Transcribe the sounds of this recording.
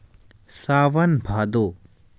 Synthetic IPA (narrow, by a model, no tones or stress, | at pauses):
saːʋɐnbʱaːd̪oː